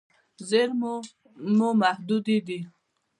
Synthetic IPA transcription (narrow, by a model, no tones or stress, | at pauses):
zeɾm | mumahd̪ud̪id̪i